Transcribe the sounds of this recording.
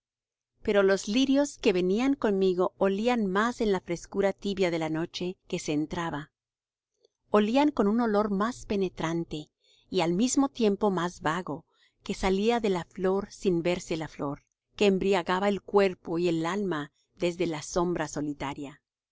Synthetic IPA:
pe̞ɾo̞lo̞zliɾjo̞ske̞βe̞niaŋko̞nmiɣo̞ʔːlianmase̞nlafɾe̞skuɾat̪iβjaðe̞lano̞t͡ʃe̞ke̞seːnt̪ɾaβa | oliaŋko̞nuno̞lo̞ɾmaspe̞ne̞t̪ɾant̪e̞ | ialmizmo̞t̪je̞mpo̞mazβaɣo̞ | ke̞saliaðe̞laflo̞ɾsinbe̞ɾse̞laflo̞ɾ | ke̞ːmbɾiaɣaβae̞lkwe̞ɾpo̞ie̞lalma | ðe̞zðe̞laso̞mbɾaso̞lit̪aɾja

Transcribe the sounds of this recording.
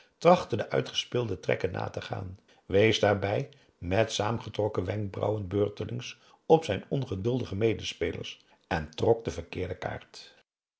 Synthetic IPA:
trɑχtədəʔœ̰ɥtχə̥spɪːlˠdətrɛ̰kənːa̰ːtəχa̰ːn | ʋejzdaːɹbɛj | mɛtsaːmənχətrɔkəʋɛŋk̚brɑ̰wənbøːɹtəlʔɪŋs | ɔpsɛjnɔnχədɵlˠdəχəmejdələspejlə̰ɹs | ɛntrɔk̚dəvəɹkɪːɹdəka̰ːɹt

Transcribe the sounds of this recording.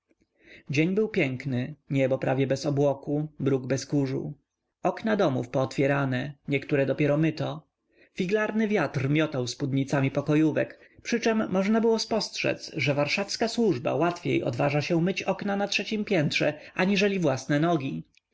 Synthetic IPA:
d͡ʑeɲbɘwpʲjɛŋknɘɲɛbɔpɾʔavʲjɛbɛsɔbwɔkubɾuɡbɛskuʐṵ | ɔknad̪ɔmufpɔːt̪fʲjɛɾanɛɲɛkt̪uɾɛd̪ɔpʲjɛɾɔmɘt̪ɔ | fʲiɡlaɾnɘvʲjat̪rmʲjɔt̪awspud̪ɲit̪samʲipɔkɔjuvɛkpʂɘt͡ʂɛmːɔʐnabɘwɔspɔstʂɛ̰t̪sʐɛvaɾʂafskaswuʐba̰wat̪fʲjḛjɔ̰d̪vaʐaɕɛ̃mɘt͡ɕɔknanatʂɛt͡ɕimpʲjɛnt̪ʂɛʔaɲiʐɛlʲivwasnɛnɔɡʲi

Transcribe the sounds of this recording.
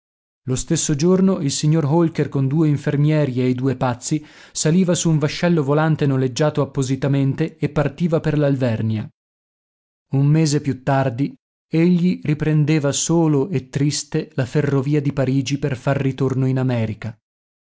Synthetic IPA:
lost̪esːod͡ʒornoilsiɲːorɦolkerkond̪uːeiɱfermjɛːɾiejd̪uːepat̪sːisaliːvasuːɱvaʃːɛlːovolant̪enoled͡ʒːaːt̪oapːozit̪ament̪eːpːart̪iːvaperlalvɛrnja | ummeːzepjut̪ːard̪i | eʎːiripɾend̪eːvasoːloet̪ːɾist̪elaferːoviːad̪ipaɾiːd͡ʒiperfarːit̪ornoinamɛːɾika

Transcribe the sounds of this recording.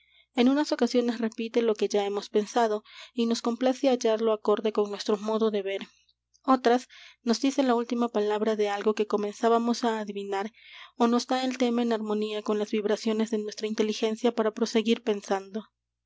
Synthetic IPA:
e̞nũnaso̞kasjo̞ne̞sre̞pit̪elo̞ke̞ʝae̞mo̞spe̞nsað̞o̞ino̞sko̞mplaseaʝaɾlo̞ako̞ɾðe̞ko̞nnwe̞st̪ɾo̞mo̞ðo̞ðe̞βe̞ɾ | o̞t̪ɾasno̞zðise̞lault̪imapalaβɾaðe̞alɣo̞ke̞ko̞me̞nsaβamo̞saːðiβinaɾono̞sd̪ae̞lt̪e̞maenaɾmõ̞niako̞nlazβiβɾasjo̞ne̞zðe̞nwe̞st̪ɾaint̪e̞lixe̞nsjapaɾapɾo̞se̞ɣiɾpe̞nsand̪o̞

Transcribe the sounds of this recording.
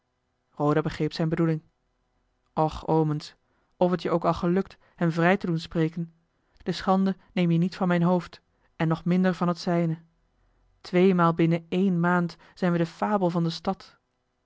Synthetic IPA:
rowdabəχrejpsɛjnbədulɪŋ | ʔɔχowməns | ɔfətjəʔowkɑlˠχəlɵk̚t | hɛmvrɛjtədunsprejkən | d̥əsχɑndə | nejmjənitfɑnmɛjnɦowft | ɛnːɔχmɪndəɹvɑnɦətsɛjnə | tʋejmaːlˠbɪnəejnmaːnt | z̥ɛjnʋədəfaːbəlˠvɑndəstɑt

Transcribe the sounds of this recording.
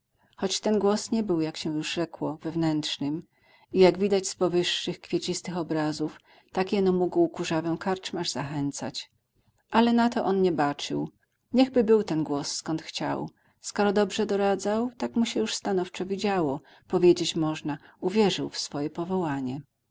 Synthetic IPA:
xɔt͡ɕt̪ɛnɡwɔsɲɛbɘwjakɕɛjuʐʐɛkwɔvɛvnɛntʂnɘm | ijaɡvʲid̪ad͡ʑspɔvɘʂːɘxkfʲjet͡ɕist̪ɘxɔbɾazuf | t̪akjɛnɔmuɡwkuʐavɛw̃kaɾt͡ʂmaʐzaxɛnt̪sa̰t͡ɕ | ʔalɛnat̪ɔʔɔnɲɛbat͡ʂɘ̰w | ɲɛɣbɘbɘwt̪ɛnɡwɔsːkɔnt̪xt͡ɕa̰w | skɔɾɔd̪ɔbʐɛd̪ɔɾad̪zawt̪akmuɕɛjuʂst̪anɔft͡ʂɔvʲid͡ʑawɔ | pɔvʲjed͡ʑet͡ɕmɔʐnauvʲjɛʐɘwfsfɔjɛpɔvɔwaɲɛ

